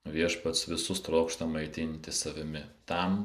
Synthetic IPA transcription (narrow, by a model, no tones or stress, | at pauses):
ʋʲiɛʃpɐt̪sʋʲɪsʊst̪ɾoːkʃt̪ɐmɐɪt̪ʲɪnʲt̪ʲɪsɐʋʲɪmʲɪt̪ɐm